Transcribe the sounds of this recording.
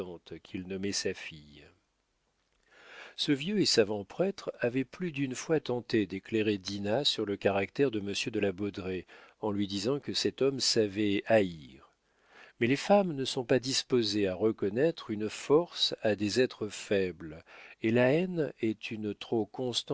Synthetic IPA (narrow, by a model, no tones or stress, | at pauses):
ɑ̃t̪kʲʰilnɔmɛsafij | səvjøesavɑ̃pχɛt̪χavɛplyd̪ynfwat̪ɑ̃t̪ed̪ekleʁed̪inasyʁləkaʁakt̪ɛʁd̪əməsjød̪əlabɔd̪ʁeɑ̃lɥid̪izɑ̃kəsɛt̪ɔmsavɛaiʁ | mɛlefamnəsɔ̃pad̪ispozeaʁəkɔnɛt̪χynfɔʁsad̪ezɛt̪χəfɛblelaɛnɛt̪ʰynt̪χokɔ̃st̪